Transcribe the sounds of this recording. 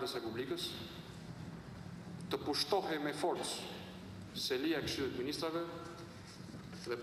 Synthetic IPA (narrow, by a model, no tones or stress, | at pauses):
d̪əsrepublikəs | t̪əpuʃt̪ɔɦemefɔɾt̪s | seliakʃyuəd̪minist̪ɾavə | ðep